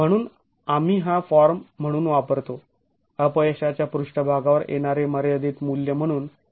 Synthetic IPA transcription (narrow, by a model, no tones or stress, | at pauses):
m̤əɽ̃uːn | amiːɦãfɔɾm̤ːəɽ̃uːnʋapəɾt̪o | əpəjɕat͡ɕjapɾuʂʈəbʱaɡaʋəɾjḛɽ̃aɾeməɾeəd̪ʱiːt̪muljəm̤əɽ̃uːn